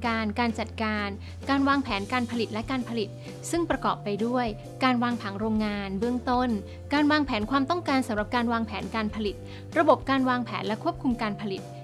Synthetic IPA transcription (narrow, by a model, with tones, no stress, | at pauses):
kaː˧nkaː˧nt͡ɕa˨˩t̪̚kaː˧n | kaː˧nwaː˧ŋpʰɛː˩˦nkaː˧npʰa˧li˨˩t̪̚lɛ˦˥kaː˧npʰa˧li˨˩t̪̚ | sɯ˥˩ŋpɾa˧kɔ̰ː˨˩pːa˧jdu˥˩əj | kaː˧nwaː˧ŋpʰa˩˦ŋɾoː˧ŋːaː˧nbɯ˥˩əŋt̪o˥˩n | kaː˧nwaː˧ŋpʰɛː˩˦nkʰwaː˧mt̪ɔ˥˩ŋkaː˧nsa˨˩˦mɾa˨˩p̚kaː˧nwaː˧ŋpʰɛː˩˦nkaː˧npʰa˧li˨˩t̪̚ | ɾa˧bo˨˩p̚kaː˧nwaː˧ŋpʰɛ̰ː˩˦nlɛ˦˥kʰu˥˩əp̚kʰu˧mkaː˧npʰa˧li˨˩t̪̚